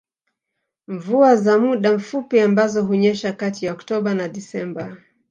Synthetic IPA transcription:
ɱvuazamuɗaɱ̩fupiambazɔɦuɲɛʃakatijaɔktɔɓanaɗisɛmba

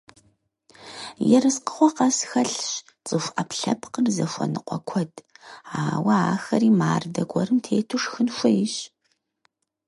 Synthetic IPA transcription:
jɛɾɨsqə̥χʷɔqɐsxɐɬɕ | t͡sʼɨfʷʔɐpɬɐ̰pʰqərzɐfʷɔ̰nɨqʷɔkʷʰɔdaːwɐaːxɐɾiːmaːrdɐɡʷʰʼɔɾɨmtʰeːtʰuʂxɨnxʷʊjɪɕ

